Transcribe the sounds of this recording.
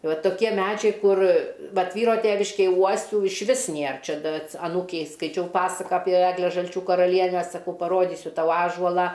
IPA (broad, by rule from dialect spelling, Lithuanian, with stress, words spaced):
ˈʋɐ toːˈkʲiɛ ˈmʲæd͡ʒʲɛɪ ˈkʊr ˈʋɐt ˈʋʲiːroː ˈtʲeːʋʲɪʃʲkʲeːj ˈuɔsʲuː ɪʃʲˈʋʲɪs ˈnʲeːr ˈt͡ʃʲɛ ˈdɐ ɐts ɐˈnuːkʲɛɪ skɐɪˈt͡ʃʲɛʊ ˈpɑːsɐkɐ ˈɑːpʲiɛ ˈæːɡlʲɛ ʒɐlʲˈt͡ʃʲuː kɐrɐˈlʲiɛnʲæː sɐˈkɐʊ pɐˈroːdʲiːsʲʊ ˈtɐʊ ˈɑːʒuɔlˠɑː